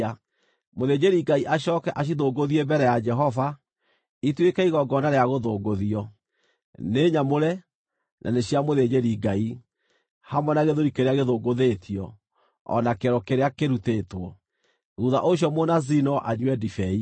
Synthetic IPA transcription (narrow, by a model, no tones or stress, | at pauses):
moðed͡ʑeɾiɡaiʔaɕɔːkɛʔaɕ̬iðoːɡoðiebɛɾɛjad͡ʒɛɦɔva | itwekɛiɣɔɡɔnaɾeaɣoðoːɡoðiɔ | neːɲamoɾɛ | nʔa̰neɕiamoðeɲeɾiɡai | hamwɛnaɣeðoɾikeɾeaɣeðoːɡoðetʰiɔ | ɔ̰nakeɾɔkeɾeakeɾuteːtwɔ | ɣuða̰ʔoɕ̬jɔmonazinɔʔaɲwɛdifɛi